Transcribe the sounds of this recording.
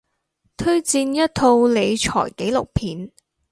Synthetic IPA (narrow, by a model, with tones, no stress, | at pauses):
t̪ʰɵ˥ɥt͡siː˧njɐ˥t̚t̪ʰo˧wle˨˧jt͡ʃʰɔ̰ː˨˩jke˨˥jlʊ˨˩k̚pʰiː˨˥n